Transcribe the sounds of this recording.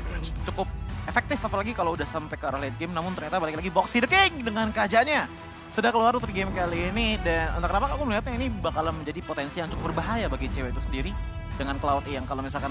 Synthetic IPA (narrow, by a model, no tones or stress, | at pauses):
t͡ʃukʊp̚efɛk̚t̪ɪfapalaɡikaloudahsampakəaɾaɦliat̪̚ɡemnamʊnt̪ərɲat̪abalɪklaɡibɔksidəkeŋdəŋankəad͡ʒaɲa | sədakəluarnut̪ərɡɪmkaliːnidanə̰t̪kənapakakuməliɦat̪̚ɲainibakalaməɲd͡ʒadipot̪ɛnsijaŋt͡ʃukʊp̚bərbaɦajabaɡit͡ʃewɛt̪usəndiɾi | dəŋanklaut̪jaŋkalomisalkan